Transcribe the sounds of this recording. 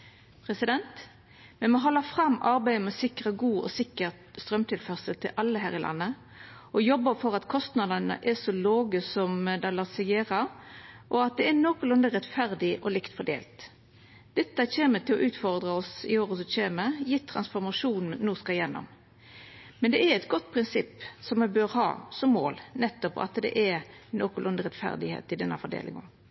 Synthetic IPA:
pʰʁɛsɪd̪ɛnt̪ | mɛnmɔɦɔlːəfʁɑmːʔɑɾbæɪəmɛsɪkʁəɡuːɔ̰sɪkːəʁ | st̪ʁœmt̪ʰɪlfœʁsəlt̪ʰɪlʔɑlːəɦæːʁɪlɑ̰nːə | ʔɔjɔbːəfɔʁɑt̪kʰɔst̪nɑd̪ənə̰ʔɛsɔloːɡəsɔmd̪ɑlɑsəɡeːʁəʔɔɑt̪̚d̪ɛɛnɔːkʊlʊnd̪əʁɛt̪fæʁd̪ɪʔɔlɪkt̪fɔɖ̪ḛːlt̪ | d̪̥ɛt̪ːəçeːmət̪ʰɪlɔʔʉːt̪fɔɾd̪ʁəɔsɪ̰oːɾɔsɔçeːməjɪt̪ʰːʁɑ̰nsfɔɾmɑʂuːnnnːuːskɑjɛnːɔ̰m | mɛnd̪ɛɛɾɛt̪ɡɔt̪ːpʰɾɪnsɪpːsɔmɛbøːɾhɑ̰ːsɔmːo̰ːlnɛt̪ːɔpɑ̰t̪d̪ɛ̰ʔɛnoːkʊlʊnd̪əʁɛt̪fæ̰ɾd̪ɪhḛːt̪ɪd̪ɛnːəfɔd̪ḛːlʔɪ̰ŋə̰

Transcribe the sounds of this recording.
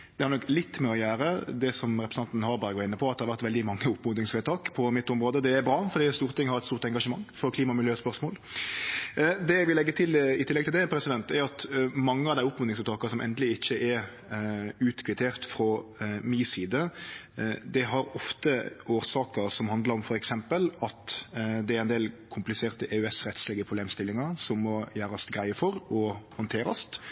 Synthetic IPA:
d̪ɛhɑɾnɔklɪt̪ːmɛɔjæːɾəd̪ɛsɔmɾɛpɾəsn̩ʰɑnt̪nhɑɾbɑːɾəɡɔɪnːəpʰɔɑt̪d̪ɛhɑɾʋæʁt̪ʋɛld̪ɪmɑŋːəʊpːmʊd̪nɪŋsfeːt̪ʰɑːkpʰɔmɪt̪ːʊmʁoːd̪əd̪ɛæɾbɾɑːfɔɾd̪iːst̪uːʁt̪ɪŋhɑɾɛt̪stuːʁt̪ɛŋɡɑʂəmɑŋːfɔɾkʰliːmɑmɪljøːspœʁɾʂmoːl | d̪ɛæʋɪlɛɡːət̪ʰɪlɪt̪ʰɪlːɛɡt̪ʰɪld̪ɛpʰɾɛsɪd̪ɛnt̪ɛɾɑt̪mɑŋːəɑʋd̪æɪʊpmʊnɪŋsɛt̪ʰɑːkɑsɔmʔɛ̰nd̪əlɪɪçːəʔɛɾ | ʉːt̪kʰʋɪt̪ʰeːɾt̪fɾɔmiːsiːd̪ə | d̪ɛɦɑɾɔft̪əoːɾsɑːkəɾsɔmhɑnd̪ləɾɔmfɔɾɛksɛmpəlɑt̪d̪ɛæɾɛɪnd̪eːlkʰʊmplɪseːʁt̪əʔeːʉɛsɾɛt̪slɛːɡəpʰʁʊbleːmst̪ɪlːɪŋɑsɔmːɔjæːɾɑst̪ɡɾæɪəfɔɾɔhɑnt̪ʰeːɾɑ̰st̪

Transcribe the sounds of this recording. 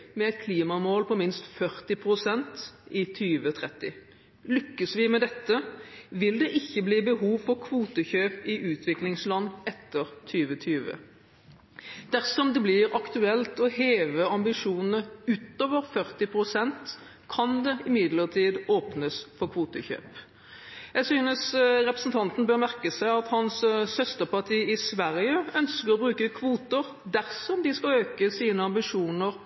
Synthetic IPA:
mɛɛɪt̪̚kʰliːmɑmoːlpʰɔmɪnst̪fœʁt̪ɪpʰʁʊsɛnt̪ɪt̪ʰyːʋət̪ʰʁɛt̪ːɪ | lʏkːəsʋɪmɛd̪ɛt̪ːəʋɪld̪ɛʔɪçːəbliːbəɦuːʋfɔʁkʰʋuːt̪əçøːpɪʔʉːt̪ʰʋɪklɪŋslɑnːɛt̪ːəʁt̪ʰyːʋət̪ʰyːʋə̰ | d̪̥æʁsɔmd̪ɛblɪːɾɑkt̪ʉɛlt̪ɔheːʋəɑmbɪʂuːnn̩əʉt̪oːʋəɾfœɾt̪ɪpʰʁʊsɛnt̪ | kʰɑnd̪ɛɪmɪd̪ləʁt̪ʰiːd̪oːpnəsfɔɾkʰʋuːt̪əçø̰ːp | jæsyːnəsɾɛpɾəsnt̪ʰɑnt̪n̩bøɾmæʁkəsæɪɑt̪hɑnssœst̪əʁpɑʈʰiːɪsʋæʁjəœnskəɾɔbɾʉːkəkʰʋuːt̪əɾ | d̪æɾsɔmd̪ɪskɑløːkəsiːnəɑmbɪʂuːnəɾ

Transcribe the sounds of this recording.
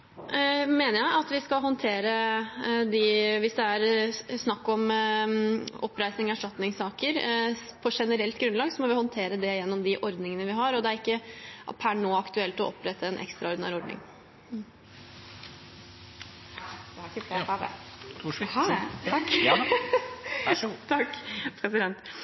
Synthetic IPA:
meːnəɾjæɪʔɑt̪ʋɪskɑlɦɔnt̪ʰeːɾə | d̪ɪʋɪsd̪ɛæɾsnɑkːɔm | ɔpːɾæɪsnɪŋæʂʈɑt̪nɪŋsɑːkəɾpʰɔʂɛnəɾɛlt̪ɡɾʉnlɑːɡsɔmɔʋɪhɔnt̪ʰeːɾəd̪ɛjɛnːɔmd̪ɪʔɔɾd̪nɪŋənəʋɪɦɑɾɔd̪ɛæɾɪkːəpʰæɳoːɑkt̪ʉɛlt̪ɔʔɔ̰pːɾɛt̪ːəɛnʔɛ̰kst̪ɾɑɔɾdɪnæːɾɪɔɾɖ̪nɪ̰ŋ | t̪ʰɑkːpʰɾɛsɪd̪ɛnt̪

